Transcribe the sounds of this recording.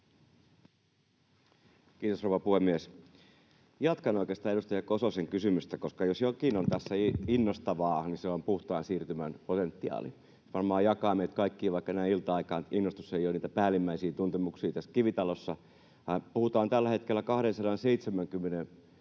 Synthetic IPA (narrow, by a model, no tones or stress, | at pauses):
kiːt̪osrouwʋɑpuhemːies | jɑt̪kɑnoikest̪ɑːeɾust̪ɑjɑkososeŋkysymyst̪ækoskɑjosjokinont̪æsːæinːost̪ɑʋɑːniseompuht̪ɑːnsiːrt̪ymænpot̪ent̪ːiɑ̰ːlḭ | ʋɑrmɑːjɑkɑːmeit̪kɑikːiːʋɑikːɑnæiilt̪ɑɑikɑːninːost̪u̥sːejoniːt̪æpæːlimːæisiːt̪unt̪emuksiːt̪æskiʋit̪ɑlosːɑ | ɑpuhut̪ɑːnt̪ælːæhet̪kelːækɑhɾensɑɾɑnseit̪semæŋkymːenen